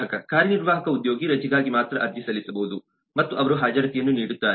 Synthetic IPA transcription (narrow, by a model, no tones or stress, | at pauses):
ɐkɐkaːɾjɐniɾʋaːɦɐkɐud̪jo̞ːɡiɾɐt͡ʃiɡaːɡimaːt̪ɾɐʔɐɾd̪jɐsɐlisɐbɐud̪u | mɐt̪ːuʔɐʋɐɾuɦaːd͡ʒɐɾɐt̪ijɐnːuniːɽut̪ːaːɾ